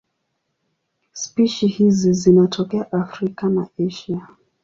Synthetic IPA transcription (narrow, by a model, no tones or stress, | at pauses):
spiʃihizizinatʰɔkɛaʔafɾikana̰ɛʃia